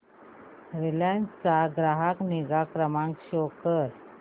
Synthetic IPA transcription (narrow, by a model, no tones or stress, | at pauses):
ɾilant͡st͡saɡɾaɦakniɡakɾəmãŋkɕokəɾ